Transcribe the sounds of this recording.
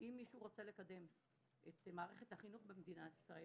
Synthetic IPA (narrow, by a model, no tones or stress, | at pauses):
imːiʃuʁot͡se̞lekad̪e̞m | ʔet̪maːʁe̞χet̪haχinuχbemed̪inat̪i̥sʁae